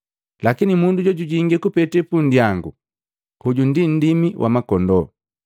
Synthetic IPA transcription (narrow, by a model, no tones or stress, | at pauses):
lakinimunduɟɔɟuɟiŋɡɛkupɛtɛpun̩djaŋɡu | huɟundin̩dimiwʔa̰makɔndɔ